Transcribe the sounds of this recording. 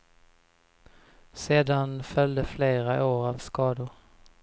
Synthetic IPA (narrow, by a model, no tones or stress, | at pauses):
seːd̪anfœld̪əfleːɾaʔoːɾavskɑːd̪ʊɾ